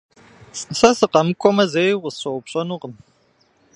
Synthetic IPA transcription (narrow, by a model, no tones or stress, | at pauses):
sɐsɨqɐmɨkʷʰʼɔmɐzejʁʷəsɕɐwpɕʼɐnuʁən